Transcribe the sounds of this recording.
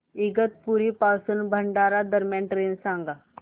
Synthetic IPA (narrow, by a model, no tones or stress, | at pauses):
iɡət̪̚puɾipasuːnbʱəɳɖaɾad̪əɾmjanʈɾensãŋɡa